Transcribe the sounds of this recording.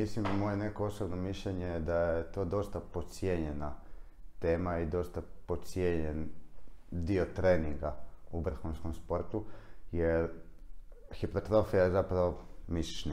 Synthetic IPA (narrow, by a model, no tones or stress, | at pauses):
islimamo̞jene̞ko̞osobnomiʃʎeɲed̪ajet̪o̞ːd̪o̞st̪apo̞t̪sjeɲe̞na | t̪e̞ːmaid̪o̞st̪apo̞t̪sjeɲen | d̪iot̪ɾeːniŋɡaubr̩xunskomspo̞ɾt̪ujeɾ | xipɾot̪ɾo̞fijazapɾaʋomisi̥t͡ʃni